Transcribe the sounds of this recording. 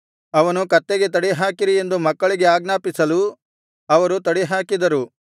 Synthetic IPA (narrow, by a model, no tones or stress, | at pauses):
ɐʋɐnukɐt̪ːeɡe̞t̪ɐɽiɦaːkiɾie̞nd̪umɐkːɐɭiɡe̞aːɡnaːpisɐlu | ɐʋɐɾut̪ɐɽiɦaːkid̪ɐɾu